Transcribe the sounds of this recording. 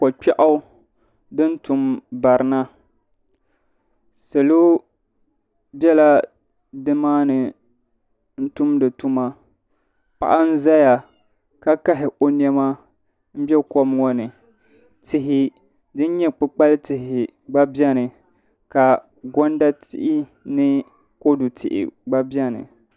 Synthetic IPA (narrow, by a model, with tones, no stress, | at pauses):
kɔ˨t͡ʃɛ˦ʔa˦ | dɨ˦n˦tu˦mba˨ɾɨ˨˦na˦ | se˨lo˦ | bɛ˦la˦ | dɨ˦maː˦nɨ˨ | n̩˦tu˦mdɨ˨tu˦ma˦ | pa̰˨ʔa˦n̩˦za˦ja˨ | ka˦ka˦ɦɪ˨ʔo˦nɛ˦ma˦ | m̩˦bɛ˦kɔ˦m˦ŋɔ˦nɨ˨ | tɪ˦ɦɪ˦ | dɨ˦n˦ɲɛ˦k͡pɨ˦k͡pa˦ltɪ˨ɦɪ˨ɪ˨ | ɡ͡ba˦bɛ˦nɨ˨ | ka˨ | ɡɔ˦n˦da˦tɪ̰˦ʔɪ˦nɨ˦ | ko˦dʊ˨tʰɪ̰˨ʔɪ̰˨ɡ͡ba˦bi˦ɛ˦nɨ̰˨